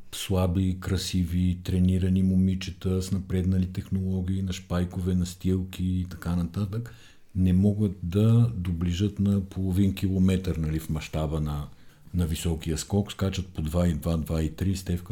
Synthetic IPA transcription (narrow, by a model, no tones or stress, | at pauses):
slˠabikɾɐsivit̪ɾɛniɾənimomit͡ʃɛt̪əsnɐpɾɛd̪nɐlit̪ɛxnolˠɔɡ̟ʲiːnɐʃpajkovɛnɐst̪ilˠkʲiːt̪ɐkanɐt̪at̪ək | nɛmɔɡət̪d̪ɐd̪obliʒət̪nɐpʰolˠovinkʲilˠomɛt̪əɾnɐlifmɐʃt̪abənɐnɐvisɔkiəskɔkskat͡ʃət̪̚pod̪vaid̪vad̪vait̪ɾist̪ɛfk